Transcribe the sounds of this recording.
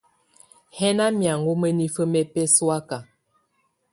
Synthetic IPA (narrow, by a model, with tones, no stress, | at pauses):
hɛ˦na˦mja˨ŋɡu˦mə˦ni˦fə˦mɛ˦pɛ˦swa˦ka˨